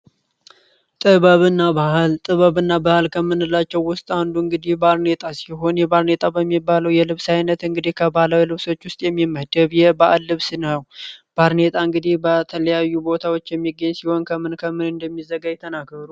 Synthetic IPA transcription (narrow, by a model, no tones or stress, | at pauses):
t̪ʼɨβəβɨnːabahlt̪ʼɨβəβɨnːabahɨlkʰəmːɨnɨlːat͡ʃːɛwːʊst̪ʼand̪uɨŋɡɨd̪ihbaɾnet̪ʼasiɦo̞njɛbaɾnet̪ʼabəmːibːaləwjɛlɨβsajnət̪ɨŋɡɨd̪ihkʰəbalawlɨβso̞t͡ʃːwʊst̪ʼjɛmːimːəd̪əβjɛbaʔalːɨβsnəwb̥aɾne̞t̪ʼaɨŋɡɨd̪ihbət̪ʰələjajːubo̞t̪ʰawo̞t͡ʃːjɛmːiɡəɲsiho̞nkʰəmɨnkʰəmɨnɨnd̪əmːizəɡajɛt̪ʰːənaɡəɾu